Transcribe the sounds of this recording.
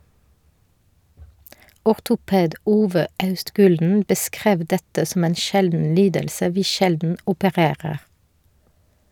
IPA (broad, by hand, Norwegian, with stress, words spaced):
ɔʁtʊˈpeːd ˈuːʋə ˈɑʉstˌɡʉːldn̩ bəˈskʁeːʋ ˈdɛtə sm̩ ˈeːn ˈʃɛldn̩ ˈliːdəlsə ˈʋiː ˈʃɛldn̩ ʊpəˈʁeːʁəʁ